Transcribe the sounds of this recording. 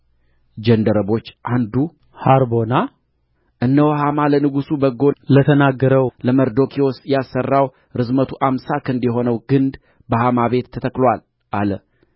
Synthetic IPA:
d͡ʒənd̪əɾəβo̞t͡ʃːʔand̪u | haɾbo̞na | ʔɨnːəwhamalənɨɡusubəɡo̞lət̪ʰənaɡːəɾəwləməɾd̪o̞kʰio̞sjasːərːaw | ɾɨzmət̪ʰuʔamsakʰɨnd̪jɛɦo̞nəwɡɨnd̪ | bəhamaβe̞t̪ʰːət̪ʰəklwal | ʔalə

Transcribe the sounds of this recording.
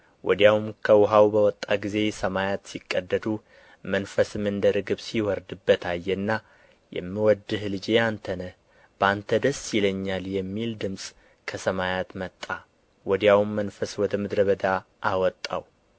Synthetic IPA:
wʔɔ̰d̪jawmkʰəwʊɦawbəwɔt̪ʼːaɡize̞səmajat̪sikʼːəd̪ːəd̪u | mənfəsɨmɨnd̪əɾɨɡɨβsiwɔɾd̪ɨbːət̪ʰajːɛnːa | jɛ̰mːɨwɔd̪ːɨhlɨd͡ʒeant̪ʰənə | b̥əant̪ʰəd̪əsjɪləɲːaljɛmːild̪ɨmsʼ | kʰəsəmajat̪mət̪ʼːa | wɔd̪jawmːənfəswɔd̪əmɨd̪ɾəβəd̪a | ʔawɔt̪ʼːa̰w

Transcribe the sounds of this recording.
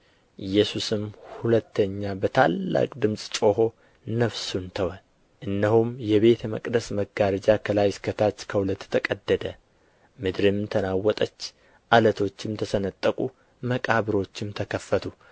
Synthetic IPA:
ʔɨjːɛsusɨmhulət̪ːəɲːabət̪ʰalːa̰kʼd̪ɨmsʼt͡ʃʼo̞ɦo̞ | nəfsunt̪ʰəwə | ʔɨnːəɦumjɛβe̞t̪ʰmə̰kʼd̪əsməɡaɾəd͡ʒakʰəlajɪskʰət̪ʰat͡ʃːkʰəhulət̪ːt̪ʰəkʼəd̪ːəd̪ə | mɨd̪ɾɨmt̪ʰənawːɔt̪ʼət͡ʃː | ʔalət̪ʰo̞t͡ʃːɪmt̪ʰəsənət̪ʼːəkʼu | məkʼaβɨɾo̞t͡ʃːɪmt̪ʰəkʰəfːət̪ʰu

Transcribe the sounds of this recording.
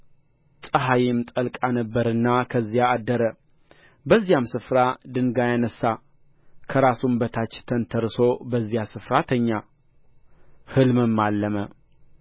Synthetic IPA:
t̪ʼəɦajimt̪ʼəlkʼanəbːəɾɨnːakʰəzːijaːd̪ːəɾə | bəzːijamsɨfɾad̪ɨŋɡajanəsːa | kʰəɾasumbət̪ʰat͡ʃːt̪ʰənt̪ʰəɾsobəzːijasɨfɾat̪ʰəɲːa | hɨlmɨmːalːəmə

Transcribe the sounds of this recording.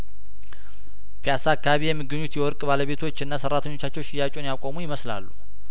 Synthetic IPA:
pʰjasakːaaβijɛmːɨɡːɨɲːut̪jɛwɔɾkʼbaləβe̞t̪ʰo̞t͡ʃːɨnːasərːat̪ʰəɲːo̞t͡ʃːat͡ʃːɛwʃɪjat͡ʃʼonjakʼo̞mujɪməsla̰lːu

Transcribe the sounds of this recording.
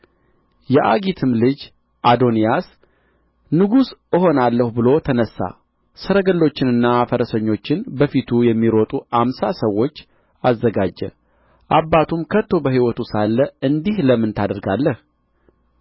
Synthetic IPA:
jɛʔaɡit̪ʰɨmlɨd͡ʒ | ʔad̪o̞nijas | nɨɡusɨɦo̞nalːəhubɨlo̞t̪ʰənəsːa̰ | səɾəɡəlːo̞t͡ʃːɪnɨnːafəɾəsəɲːo̞t͡ʃːɪnbəfit̪ʰujɛmːiɾot̪ʼuamsasəwːo̞t͡ʃː | azːəɡad͡ʒːɛ̰ | ʔabːat̪ʰumkʰət̪ːo̞bəɦiwɔt̪usalːəɨnd̪ihləmːɨnt̪ʰad̪əɾɡalːəh

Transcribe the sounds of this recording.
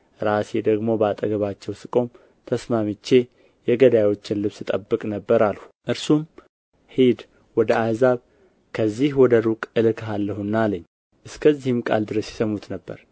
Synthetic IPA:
ɾased̪əɡmo̞bat̪ʼəɡəβat͡ʃːɛwsɨkʼo̞m | t̪ʰəsmamɨt͡ʃːe̞ | jɛɡəd̪ajwo̞t͡ʃːɪnlɨβsɨt̪ʼəbːɨkʼnəbːəɾaluʔɨɾsum | hed̪ | wɔd̪əazaβ | kʰəzːihwɔd̪əɾukʼɨlɨkʰɦalːəhunːaləɲː | ʔɨskʰəzːihɪmkʼa̰ld̪ɨɾəsjɛ̥səmut̪nəbːə̰ɾ

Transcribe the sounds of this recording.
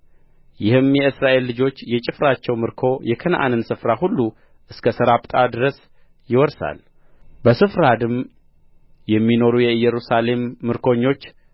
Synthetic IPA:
jɪhɨmjɛɨsɾaʔe̞lːɨd͡ʒo̞t͡ʃːjɛt͡ʃʼɪfɾat͡ʃːɛwmɨɾkʰo̞jɛkʰənʔa̰nɨnsɨfɾahulːu | ʔɨskʰəsəɾabt̪ʼad̪ɨɾəs | jɪwɔɾsa̰l | bəsɨfɾad̪ɨm | jɛmːino̞ɾujɛɨjɛɾusale̞mːɨɾkʰo̞ɲːo̞t͡ʃː

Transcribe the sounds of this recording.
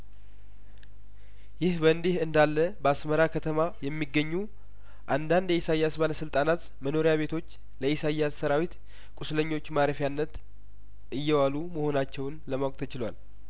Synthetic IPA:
jɪhbəɨnd̪ehɨnd̪alːəbəasməɾakʰət̪ʰəmajɛmːiɡːəɲːu | ʔand̪and̪jɛisajːasbaləsɨlt̪ʼanat̪ | məno̞ɾijaβe̞t̪ʰo̞t͡ʃː | ləisajːasːəɾawit̪ | kʼusləɲːo̞t͡ʃːmaɾəfjanːət̪ | ʔɨjːɛwaluməho̞nat͡ʃːɛwnləmawkʼt̪ʰət͡ʃɪlwal

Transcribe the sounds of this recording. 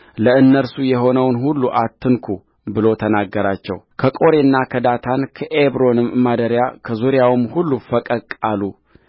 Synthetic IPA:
ləɨnːəɾsujɛɦo̞nəwnhulːuʔat̪ːɨnkʰu | bɨlo̞t̪ʰənaɡːəɾat͡ʃːɛ̰wkʰəkʼo̞ɾe̞nːakʰəd̪at̪ʰankʰəʔeβɾo̞nɨmːad̪əɾjakʰəzuɾjawɨmhulːufəkʼəkʼalu

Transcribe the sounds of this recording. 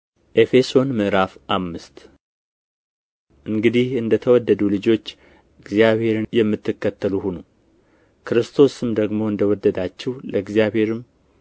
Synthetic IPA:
ʔe̞fe̞so̞nmɨʔɾafʔamːɨst̪ | ʔɨŋɡɨd̪ihɨnd̪ət̪ʰəwɔd̪ːəd̪ulɨd͡ʒo̞t͡ʃː | ɨɡzijaβhe̞ɾɨnjɛmːɨt̪ʰːɨkːət̪ːəluhunu | kʰɨɾɨst̪ʰo̞sɨmd̪əɡmo̞ɨnd̪əwɔd̪ːəd̪at͡ʃːɛwləɨɡzjaβhe̞ɾɨm

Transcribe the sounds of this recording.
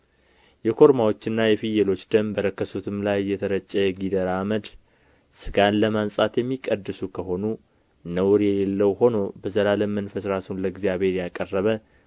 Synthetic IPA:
jɛkʰo̞ɾmawo̞t͡ʃːɪnːajɛfijɛlo̞t͡ʃːd̪əmbəɾəkːəsut̪ʰɨmlajːɛt̪ʰəɾət͡ʃʼːəɡid̪əɾaməd̪ | sɨɡanləmansʼat̪jɛmːikʼəd̪ːɨsukʰəɦo̞nu | nəwɾjɛlelːəwho̞no̞bəzəlaləmənfəsɾasunləɡzjaβhe̞ɾjakʼərːəβə

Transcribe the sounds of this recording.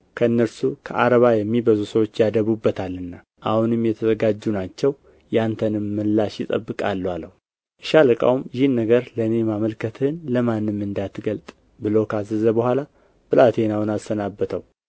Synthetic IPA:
kʰəɨnːəɾsukʰəʔaɾəβajɛmːibəzusəwo̞t͡ʃːjad̪əβubːət̪ʰalːɨnːa | ʔahunɨmjɛt̪ʰəzəɡad͡ʒːunat͡ʃːɛw | jant̪ʰənɨmːɨlːaʃjɪt̪ʼə̰bːɨkʼalːaləhu | ʔɨʃaləkʼa̰wmjɪhɨnːəɡəɾləɨne̞maməlkʰət̪ʰɨnləmanːɨmːɨnd̪at̪ɡəlt̪ʼ | bɨlokʰəazɨzəbəhʷala | b̥ɨlʔat̪ʰenawunasənabːət̪ʰəw

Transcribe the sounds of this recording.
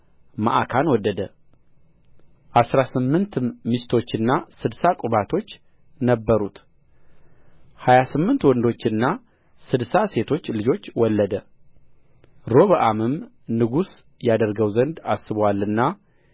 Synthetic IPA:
ma̰ʔakʰanwɔd̪ːəd̪ə | ʔasɾasɨmːɨnt̪ɨmist̪ʰo̞t͡ʃːɨnːasɨd̪sakʼʊβat̪ʰo̞t͡ʃː | nəbːəɾut̪ | hajasɨmːɨnt̪wɔnd̪o̞t͡ʃːɨnːa | sɨd̪sase̞t̪ʰo̞t͡ʃːlɨd͡ʒo̞t͡ʃːwɔlːəd̪ə | ɾo̞βəʔamɨm | nɨɡus | jad̪əɾɡəwzənd̪asːɨβwalːɨnːa

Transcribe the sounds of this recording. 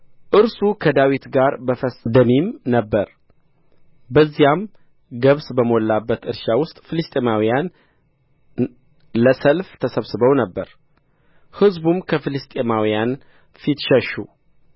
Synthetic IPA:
ʔɨɾsukʰəd̪awit̪ɡaɾbəfəsd̪ənimnəbːəɾ | bəzːijam | ɡəβsbəmolːabːət̪ɨɾʃawʊst̪ʼfɨlɨst̪ʼemawijan | ləsəlft̪ʰəsəβsɨβəwnəbːəɾ | hɨzbumkʰəfɨlɨst̪ʼemawijan | fit̪ʃəʃu

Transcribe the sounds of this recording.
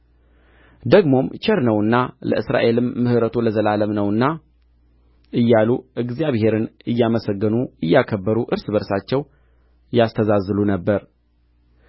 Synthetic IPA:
d̪əɡmo̞mt͡ʃəɾnəwɨnːalə̰ʔɨsɾa̰ʔe̞lɨmːɨhɾət̪ʰuləzəlaləmnəwɨnːa | ɨjːaluʔɨɡzijaβhe̞ɾɨnɨjːaməsəɡːɨnuɨjːakʰəbːəɾuʔɨɾsɨbəɾsat͡ʃːɛw | jast̪ʰəzazːlunəbːəɾ

